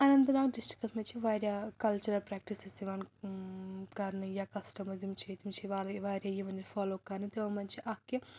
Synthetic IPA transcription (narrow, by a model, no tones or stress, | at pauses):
ɐnɐnt̪̬ɐnaːkɖisʈɾi̥kɐsmɐnt͡ʃiʋaːɾjaːkɐlt͡ʃuɾɐlpɾaːk̚ʈisesiʋaːn | kaːɾnɐjaːkɐsʈɐmɐzɐmt͡ʃeːt̪imt͡ʃiʋaːlɐʋaːɾjajiʋɐnifʰaːloːkːaːnit̪eɐmɐnt͡ʃiʔaːkjɐ